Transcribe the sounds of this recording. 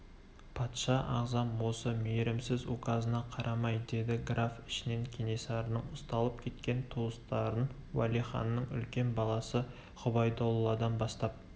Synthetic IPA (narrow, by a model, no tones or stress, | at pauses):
pʰɑt̪ʃɑʔɑ̰ʁzɑnwo̞səmeɾɪmsɪzwokazənɑqʰɑɾʔɑmɑjd̪̥e̞d̪ɪɡrafɪʃɪne̞ŋkʲʰenesɑɾənəɴʊst̪ɑlˠəp̚kʲʰe̞t̪kʲe̞nt̪ʰuwəst̪ɑɾən | wa̰liχɑ̰nːəɴʏ̰lkʲe̞nbɑlˠɑsə | qʰʊbɑjd̪olˠːɑd̪ɑnbɑst̪ɑp̚